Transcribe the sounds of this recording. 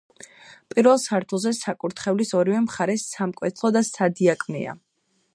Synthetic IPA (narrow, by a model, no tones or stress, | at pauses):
pʼiɾvɛlˠsaɾt̪ʰulˠzɛsakʼuɾt̪ʰχɛvlisɔɾivɛmχaɾɛsamkʼwɛt̪ʰlˠɔd̪asad̪iakʼmɛ̰a̰